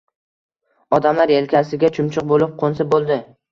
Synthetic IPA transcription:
ɒd̪amlaɾelkʲʰasɪɡʲat͡ʃʰʊmt͡ʃʰʊq̚bolɪp̚qʰonsabolˠd̪ɪ

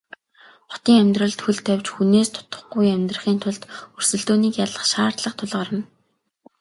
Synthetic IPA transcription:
χʊ̥t̪iːŋæmʲt̪rə̆ɮt̪xɵɮt̪ʰːæwʲt͡ɕxuneːst̪ʰʊ̥t̪ə̥̆χɡʊjæmʲt̪rə̆χiːnt̪ʰʊɮt̪ɵrsɵ̆ɮt̪oːniːkjaɮə̆χʃaːrt̪ɮə̆qt̪ʰʊɮʁaːɾə̆n

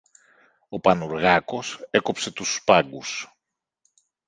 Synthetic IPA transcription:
o̞pɐnuɾɣɐko̞seko̞pse̞t̪uspɐɡus

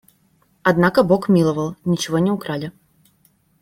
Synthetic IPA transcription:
ɐd̪nakɐbɔkmʲilˠɐvɐlˠnʲit͡ɕivɔnʲɛukɾalʲɐ

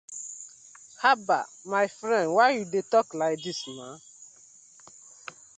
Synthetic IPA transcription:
haba̰maɪfɾɛ̃ndwaɪjudetɔklaɪk̚dismãn

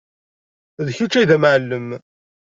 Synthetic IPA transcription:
ðçut͡ʃːæjðæmʕəlːəm

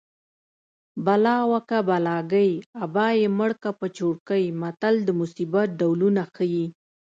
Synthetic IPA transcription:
balɑwakabalɑɡajabɑjeməɽkapət͡ʃoɽkajmat̪ald̪əmʊsibat̪̚ɖawlunaxəji

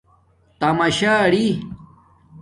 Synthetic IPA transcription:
t̪ɐmaɕaːɽi

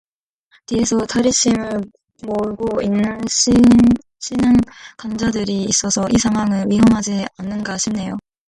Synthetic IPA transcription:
tiesʰʌtaɾiɕʰimɯɭ | moɭɡoinːɯnɕi | ɕʰinankand͡ʑadɯɾiːs͈ʌsʰʌʔisʰaŋwaŋɯɭɥiɦʌmɦad͡ʑianːɯnɡaɕʰimne̞jo

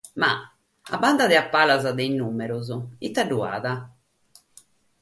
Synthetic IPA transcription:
ma̰ | a̰band̪aðɛapːalazaðɛinːumɛɾuzɔit̪ːaɖːua̰ːða

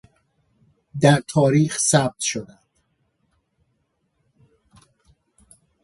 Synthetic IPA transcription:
d̪æɾt̪ʰɒːɾiːxsæb̚t̪ʃod̪ænd̪̥

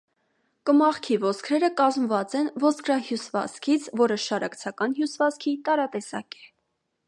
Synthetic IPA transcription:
kəmɑχkʰivɔskʰɾɛɾəkɑzmvɑt͡sɛnvɔskʰɾɑhjusvɑ̰t͡skʰit͡sʰvɔɾəʃɑɾɑkt͡sʰɑkɑnɦjusvɑt͡skʰit̪ɑɾɑt̪ɛsɑ̰kɛ̥

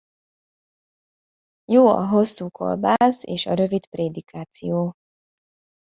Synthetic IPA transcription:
joːɒ̰ɦosːuːkʰo̰lbaːseːʃɒɾøvit̪preːd̪ikʰaːt̪sijoː

